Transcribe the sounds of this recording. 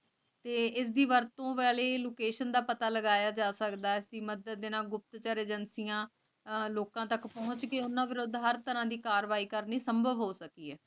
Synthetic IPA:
t̪eːɪs̬d̪iːʋəɾt̪õːʋɛːleːloːkeːʃənd̪aːpət̪aːləɡaːjaːd͡ʒaːsəkd̪aːɪsd̪iːməd̪əd̪ːɪnãːɡʊp̚t̪t͡ʃaɾeːd͡ʒənsijãː | loːkãːt̪əkpɔɦʊ̃t͡ʃkeʊnːãːʋɪɾʊd̪ɦəɾt̪əɾãːd̪iːkaːɾʋaːiːkəɾniːsəmbʱəʋɦoːsəkiːɛː

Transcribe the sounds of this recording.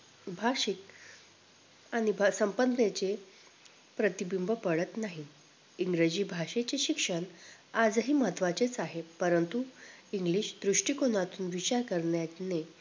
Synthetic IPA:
bʱaɕik̚ | añibʱsəmpənnet͡ɕe | pɾət̪ibimbʱəpəɽət̪naɦi | iŋɡɾed͡ʑiːbʱaʂet͡ɕeɕikʂəɳad͡zɦiːmət̪ʰʋat͡ɕet͡saɦepəɾənt̪uiŋɡliːɕd̪ɾuʂʈikoñat̪uːnʋit͡ɕaɾkəɾɳjat̪ne

